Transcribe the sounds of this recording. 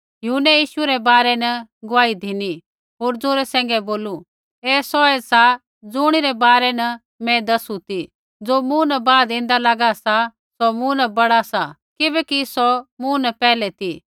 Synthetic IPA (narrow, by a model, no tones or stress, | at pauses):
jʊɦʊnːɛjiːʃuɾɛbaːɾɛnɐɡʊʋaːid̪ʱini | ɦoːɾd͡zoːɾɛsɛ̃ːŋ̆ɡɛboːlu | ɛːsɔɛsa | d͡zʊɽ̃iɾɛbaːɾɛnɐ | mɛ̃d̪ɐsut̪i | d͡zoːmũnɐbaːd̪ɪ̃ːn̆d̪alɐɡasa | sɔmũnɐbɐɽasa | kɪbɛkisɔmũnɐpɛːlɛt̪i